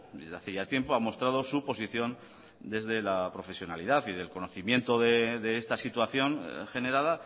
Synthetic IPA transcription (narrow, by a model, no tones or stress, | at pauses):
eaθeʝat̪je̞mpo̞amo̞st̪ɾað̞o̞supo̞siθjo̞n | d̪e̞zðe̞lapɾo̞fe̞sjo̞naliðaθiðe̞lko̞no̞θimjẽ̞nt̪o̞ðe̞ðe̞est̪asit̪waθjo̞ŋxe̞ne̞ɾaða